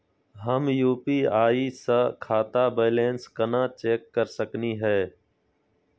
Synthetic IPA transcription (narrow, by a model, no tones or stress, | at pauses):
ɦəmjuːpiːaːiːsəkʰaːt̪aːbeːlẽːnskənãːt͡ʃeːkːəɾsəkniːɦɛː